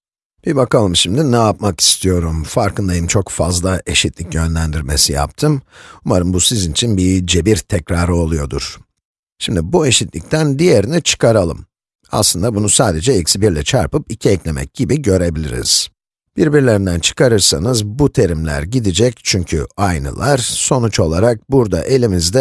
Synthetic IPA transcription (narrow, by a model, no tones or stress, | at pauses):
b̥ibakalˠɯmʃimd̪inɛap̚maki̥st̪ʰijo̞ɾumfaɾkʰɯnd̪ajɯmt͡ʃʰo̞kfazlˠaʔe̞ʃit̪lʲicjø̞nlʲænd̪iɾme̞sija̰p̚t̪ʰɯmumaɾɯmbusizinit͡ʃʰinbid͡ʒe̞biɾt̪ʰɛcɾaːɾɯo̞lˠujo̞d̪ṵɾ̥ | ʃimd̪ibue̞ʃit̪lʲic̚t̪ʰænd̪ije̞ɾinit͡ʃʰɯ̥kʰaɾalˠɯm | a̰slˠɯnd̪abunusaːd̪e̞d͡ʒɛicsibiɾlʲɛt͡ʃʰaɾpɯpicʰiɛclʲe̞mɛ̰c̚ɟ̥ibiɟø̞ɾe̞bilʲḭɾḭz̥ | b̥iɾbiɾlʲe̞ɾind̪ænt͡ʃʰɯ̥kaɾɯɾsanɯzbut̪ʰe̞ɾimlʲæ̰ɾɟid̪id͡ʒɛct͡ʃʰyɲcʰy̰ajnɯ̰lˠaɾ̥so̞nut͡ʃo̞lˠaɾak̚buɾd̪a̰ʔe̞lʲimizd̪ɛ